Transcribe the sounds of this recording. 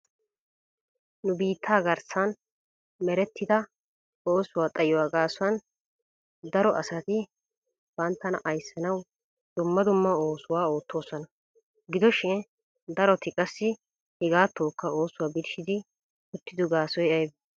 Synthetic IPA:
nʊbiːt̪ʰːaːɡɐɾsan | mɛɾɛt̪ːɪd̪ɐ | o̞ːsʊwaːt̪ʼɐjɔwaːɡaːsʊwɐn | d̪ɐɾɔʔɐsɐt̪ɪ | b̥ɐnt̪ːɐnɐʔɐjsːɐnɐw | d̪̥ʊmːɐd̪ʊmːɐo̞ːsʊwaːo̞ːt̪ʰːo̞ːsɔnɐ | ɡɪd̪ɔʃɛ | d̪ɐɾɔt̪ɪkʼɐsːɪ | hɪɡaːt̪ːoːkːɐo̞ːsːʊwaːbɪd̪ɪʃɪd̪ɪ | ʊt̪ːɪd̪ʊɡaːsɔjɐjb

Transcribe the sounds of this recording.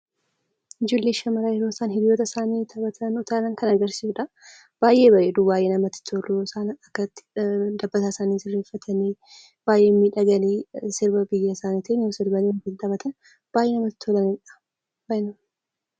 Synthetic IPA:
ɪd͡ʒoːlːeːʃɐmɐɾaːjɛɾo̞ːsaːnɦɪd̪jo̞ːt̪ɐsaːniːt̪ʰɐbɐt̪ʰɐnʊt̪aːlɐŋkɐnɐɡɐɾsɪsʊᶑɐ | b̥aːjʔe̞ːbɐʔeːd̪ubaːjʔe̞ːnɐmɐt̪ːɪ̥t̪ʰolosaːnɐkːɐt̪ːɪ̥d̪ɐbːɐt̪aːsaːniːsɪrːeːfːɐt̪ʰɐniː | b̥aːjʔe̞ːmiːᶑɐɡɐliːsɪɾbɐbɪjːɐsaːnit̪ʰenosɪɾbɐniːtɪt̪ɐbɐt̪ʰɐn | b̥aːjʔeːnɐmɐt̪ːɪ̥t̪ʰːolɐniᶑɐ̥ | bɐnɐ

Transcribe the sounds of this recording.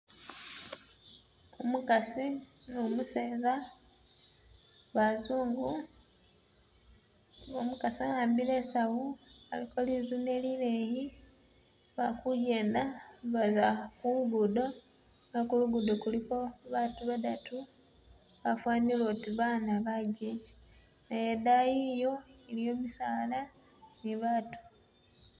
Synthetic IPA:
umukasinomuseːza | βazuːŋɡu | omukasiajaːmbile̞sawualikʰolizune̞lile̞ji | βakuje̞ːndaβazakuuβudo̞ | ŋɡakuluɡudokuliko̞βatuβadatu | βafwaːnilotiβaːnaβaɟeci̥ | najedajijo̞elijo̞ːmisaːla | niβaːtu̥

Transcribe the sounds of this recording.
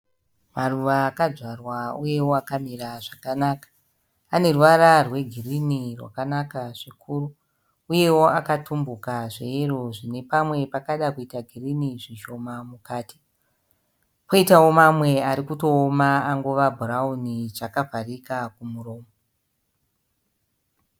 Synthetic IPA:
maruʋaːkad͡zarwauje̞wo̞akamiraʐakanaːkḁː | ne̞ruʋararwe̞ɡʱirinirwa̰kanakaʐikʰuːɾu | uje̞wo̞akatumbukaʐeiro̞ʐine̞pamwe̞pakaɗakuitaɡʱiriniʐiʃo̞mamukaːti̥ | poitawo̞mamwe̞aɾikuto̞ːmaaŋɡoʋabʱuraunit͡ʂakavʱarikakumuro̞ːmo

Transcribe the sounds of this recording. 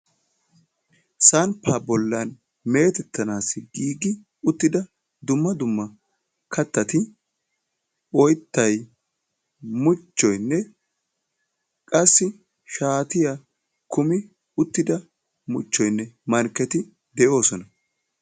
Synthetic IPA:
sɐnpːaːbɔlːɐn | me̞ːt̪ɛt̪ːɐnaːsːɪɡiːɡɪ | ʊt̪ːɪd̪ɐ | d̪ʊmːɐd̪ʊmːɐ | kʰɐt̪ːɐt̪ɪ | ɔjt̪ːɐj | mʊt͡ʃːɔjnːɛ | kʼɐsːɪ | ʃaːt̪ɪja | kʊmɪ | ʊt̪ːɪd̪ɐ | mʊt͡ʃːɔjnːɛmɐɾkɛt̪ɪ | d̪ɛjo̞ːsɔnɐ

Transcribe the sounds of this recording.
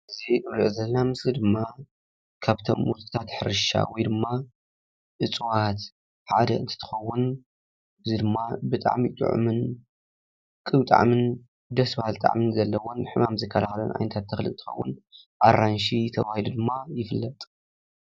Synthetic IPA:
ʔɨziʔɨβɾɨʔzɐlɐnamɨslid̪ɨmːa | kʰaβt̪ʰo̰mwut̪ʼt̪ʰat̪ħɨɾɨʃa̰wɔjd̪ɨmːa | ʔɨt͡sʼwat̪ | ħa̰d̪ɐɨnt̪ʰɨ̥t̪ʰɨ̥xɐwːʊn | ɨzid̪ɨmːabɨt̪ʼa̰ʕmit̪ʼɨ̰ʕṵmɨn | kʼɨβt̪ʼa̰ʕmɨn | d̪ɐsbahɨlt̪ʼa̰ʕmɨnzɐlːɐwonħɨmamzɐkʰːɐlaxlɐnʔa̰jnɐt̪ʰat̪ʰːɐxlɨnt̪ʰɨ̥xɐ̰wːʊ̰n | ʔaɾanʃit̪ʰɐβahilud̪ɨmːajɪfɨlːɐt̪ʼ

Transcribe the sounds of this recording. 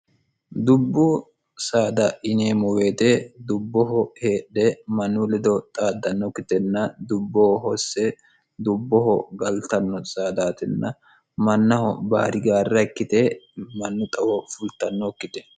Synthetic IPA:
d̪ʊbːʊ | saːd̪ɐʔɪneːmɔwe̞ːt̪ɛd̪ʊbːɔɦɔheːᶑːɛmɐnːʊlɛd̪ɔt̪ʼaːd̪ːɐnːɔkːɪt̪ɛnːɐd̪ʊbːɔɔɦɔsːɛ | d̪ʊbːɔhɔɡɐlt̪ɐnːɔsaːd̪aːt̪ɛnːɐ | mɐnːɐhɔ̰ba̰ːɾɪɡaːrːɐkːɪt̪ɛmɐnːʊt̪ʼɐwɔfʊlt̪ɐnːɔkːɪt̪ɛ̥

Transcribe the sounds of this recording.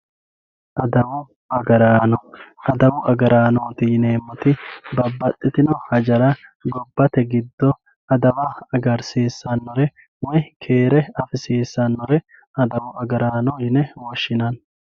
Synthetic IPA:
ʔɐd̪ɐwʊ | ɐɡɐɾaːnɔɐd̪ɐwʊʔɐɡɐɾaːnoːt̪ɪneːmːɔt̪ɪbɐbːɐt̪ʼːɪt̪ɪnɔhɐd͡ʒɐɾɐɡɔbːɐt̪ɛɡɪd̪ːɔ | ɐd̪ɐwɐɐɡɐɾseːsːɐnːɔɾɛ | wɔjkʰeːɾɛɐfɪseːsːɐnːɔɾɛ | ɐd̪ɐwʊʔɐɡɐɾaːnɔjɪnɛwɔʃːɪnɐn

